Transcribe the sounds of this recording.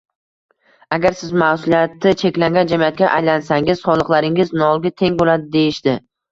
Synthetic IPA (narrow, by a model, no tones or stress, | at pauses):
aɡʲaɾsɪzmahsʊlijat̪ɪt͡ʃʰe̞kʲlaŋɡʲand͡ʒamijat̪̚kʲaʔajlansaŋɪz̥sɒlˠɨqlˠaɾɪŋɪznɒlˠɡʲat̪ʰe̞ŋbolad̪ɪd̪e̞jɪʃd̪ɪ